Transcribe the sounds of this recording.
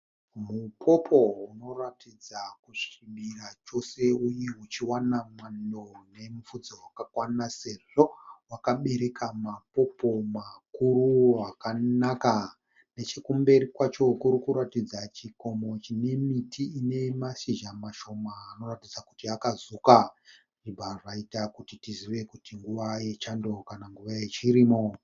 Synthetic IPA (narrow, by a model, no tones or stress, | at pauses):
mupʰo̞pʰo̞uno̞ratid͡zakuʃimirat͡ʃo̞se̞ujeut͡ʃiwanamwando̞ne̞mufud͡zowakakwanase̞ʐo̞wakaɓe̞ɾe̞kamapo̞pomakuɾuwakanaka | ne̞t͡ʃekumbe̞rikwat͡ʃo̞kuɾukuɾatid͡zat͡ʃiko̞mo̞t͡ʃine̞mitiːne̞maʃiʒamaʃo̞maːno̞ratid͡zakutiakazuka | ʐibʱarraitakutitiziʋe̞kutiŋɡuʋaje̞t͡ʃando̞kanaŋɡuʋajet͡ʃiɾiːmo